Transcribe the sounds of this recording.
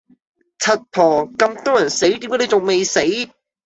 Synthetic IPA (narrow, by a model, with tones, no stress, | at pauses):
t͡sʰɐ˨t̚pʰɔː˨˩kɐ˧mt̪ɔː˥jɐ˨˩nse˨˥jt̪iː˨˥mkːe˨˥ne˨˧t͡sʊ˨ŋme˨jse˨˥j